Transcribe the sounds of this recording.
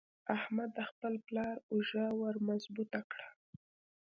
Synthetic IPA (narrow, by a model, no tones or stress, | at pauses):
ahmad̪ːəxpəlplɑɾʊʒawəɾmazbut̪akɽa